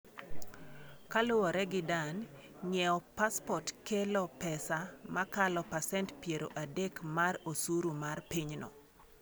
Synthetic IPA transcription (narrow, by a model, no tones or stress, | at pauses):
kalʊwɔɾɛɡɪdan | ɲɛɔpaspɔtkelɔpɛsamakalɔpasɛntpjeɾo̰ʔadekmarosuɾumarpiɲnɔ̰